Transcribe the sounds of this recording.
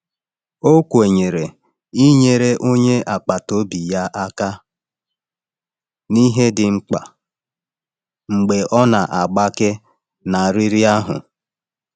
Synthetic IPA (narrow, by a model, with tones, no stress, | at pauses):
o˦kʷe˨ɲe˨ɾe˨ | i˦ɲe˨ɾe˦ʔo˦ɲe˦ʔa˨k͡pa˨to˦bi˨ja˦ʔa˦ka˦ | ni˦ɦe˦dɪ˨ŋ͡m̩˦k͡pa̰˨ | ŋ͡m̩˨ɡ͡be˨ʔɔ˦na˨ʔa˨ɡ͡ba˦kɪ˦ | na˨ɾi˦ɾi˦a˦ɦʊ̰˨